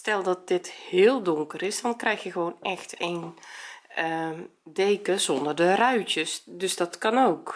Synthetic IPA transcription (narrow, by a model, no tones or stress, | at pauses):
stɛlˠdɔt̚dɪthɪːəlˠdʊŋkərɪsd̥ɔnkrɛjxjəxəʋoːnɛxten | ədeːkəzɔndərdərœɥtjəsdøsdɔtkɑnoːk